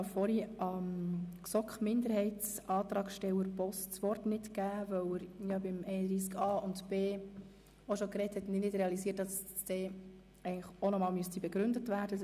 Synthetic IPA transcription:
ɑfɔɾiɑmksɔkχmɪndəɾhɛɪts | ɑːt̪ɾɑːkʃtɛwəɾpɔst͡sʋɔrtnɪtkæːvœwɪɾjɑbɪmɛɪnədɾiːs̬ɡɑːʊntb̥eː | oʃɔkɾɛthɛtːnɪnɪdɾɛɑlisiːrt̚d̥ɑs | d̥ɛː | ɛɪɡəŋləχonɔmɑːlmyəstibɛɡɾʏndətvæːɾd̥ə

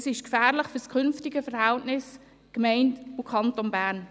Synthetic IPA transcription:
sɪʃkfæːɾlɪχfʏɾskʰʏnftɪɡəfəɾhɛltnɪs | kmɛɪntukʰɑntonbæːɾn

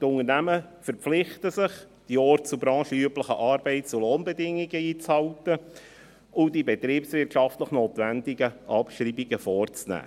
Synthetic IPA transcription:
tʊŋərnæməfəɾpflɪχt̪əsɪχ | d̥iɔːrtt͡subɾɑ̃ːʃəyəpləχəʔɑːɾbɛɪt̚t͡suloːnbɛdɪŋːiɡəiːt͡shɑwtə | ʊdibɛt̪ɾiːpsʋɪɾtʃɑftləχnoːt̪vændiɡəʔɑpʃriːbiɡəfɔːrt͡snæ̰ː

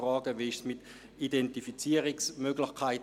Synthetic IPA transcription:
rɑːɡəʋiɪʃsmɪt | idɛntifit͡siːəʁɪksmøɡlɪxkʰaɪt

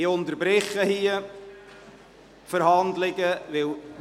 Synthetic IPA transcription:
ʊnt̪əɾbɾɪχːəhiə | fəɾhɑnd̪lɪɡəʋɪl

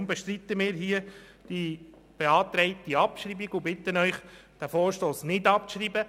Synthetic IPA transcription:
mbɛʃtɾit̪əmɪːɾɦiə | d̥i | b̥eɑːt̪ɾɛɪtiɑpʃɾiːbiɡʊbɪt̪ənœʏχd̥æfɔːɾʃtoːsnɪdɑpʃɾiːbə

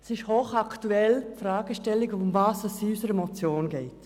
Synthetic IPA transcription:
sɪʃhoːχaktuɛlfɾaːɡ̥əʃtɛlːɪɡʊmvaːsɛsysəɾɛmɔt͡sjoːnɡɛɪt

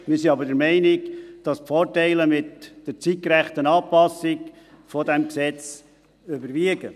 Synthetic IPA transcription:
mɪɾsiɑbəɾdɛɾmɛɪnɪɡd̥ɑspfɔːɾtɛɪləmɪtd̥ət͡sitkɾæχt̪ənɑːpɑsɪk | fɔd̪ɛmksɛt͡s | øbəɾviəɡə

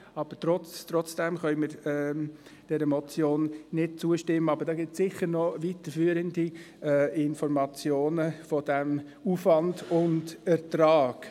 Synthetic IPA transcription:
ɑb̥ətɾɔt͡stɾɔt͡sd̥ɛmχœʏməɾɛd̥ɛɾəmɔt͡sjoːnnɪd̥̚t͡suəʃtɪmːəɑbəɾdɑːɡɪssɪχəɾnɔʋit̪əɾfyːəɾəndi | ɛɪnfɔɾmɑt͡sjoːnəfɔd̥ɛm | uːfʋɑndʊndɛɾtɾɑːɡ̥

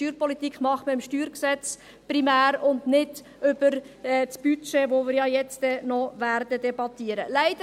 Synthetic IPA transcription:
yːɾpɔlit̪ikχmɑχməɪmʃtyːɾksɛt͡s | pɾimæːɾʊndnɪd | ʏb̥əɾɛsb̥yt͡ʃeʋoʋɪːɾjɑːjɛt͡sdɛnɔvæːɾd̥əd̥ɛbɑtiəɾəlæɪd̥ə

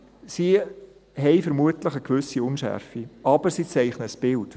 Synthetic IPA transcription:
si | ɦɛɪfəɾmuətləχəkʋʏsiʊnʃæ̰ɾfiʔɑb̥əɾsiːt͡sɛɪχnəsb̥ɪlt

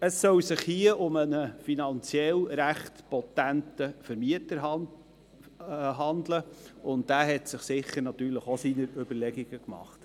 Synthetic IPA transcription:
əsːœwsɪχhiəʔʊmənəfinɑnt͡sjɛlɾæχtpɔtæntəfəɾmiətəɾɦ | ɦɑnd̪ləʊnt̚dæːɦɛtsɪχsɪχːəɾnɑt̪yːɾləχosinəɾɵb̥əɾlɛɡiɡ̥əkmɑ̰χt

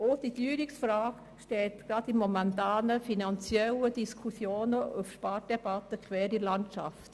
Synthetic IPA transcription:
oːd̥idyːɾɪksfɾaːk | ʃtɛltɡ̥ɾɑdimɔmɛntaːnəfinɑnt͡sjɛlədiskʰusjoːnəʔufʃpɑːd̥ɛb̥ɑtəkʰvɛːɾilɑntʃa̰ft

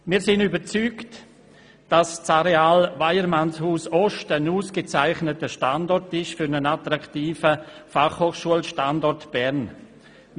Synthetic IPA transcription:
miːɾsɪnybəɾt͡syːkt | d̥ast͡saɾeaːlvaɪəɾmanshuːsɔʃtənuːsɡ̥ət͡saɪχnətəʃtandɔɾtɪʃfʏɾnənatɾaktiːfəfaχhoːχʃuəlʃtandɔɾtb̥ɛɾn

